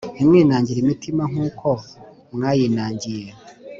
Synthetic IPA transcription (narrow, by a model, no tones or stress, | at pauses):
nimŋiːnaːɲɟiɾimitimaŋ̥uːkʰo̞ | mŋaːjinaːɲɟije